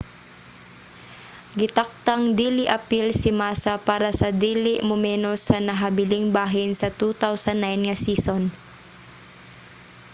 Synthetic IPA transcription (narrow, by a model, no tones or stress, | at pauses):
ɡɪt̪ak̚t̪ɐŋd̪iːlɪʔɐpilsɪmaːsɐpaːɾɐsɐd̪iːlɪʔmʊmɛːnosɐnɐɦɐbɪlɪŋbaːɦɪnsɐt̪ut̪awsɐnːajnŋɐsiːson